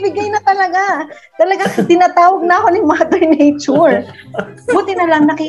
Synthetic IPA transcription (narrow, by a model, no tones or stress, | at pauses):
bɪɡajnɐt̪ɐlɐɡa | t̪ɐlɐɡaŋt̪ɪnaːt̪aːwɐɡ̚nɐɐko̞nɪmad̪ɛɹnɛjt͡ʃʊɹ | buːt̪ɪnɐlɐŋnɐkɪ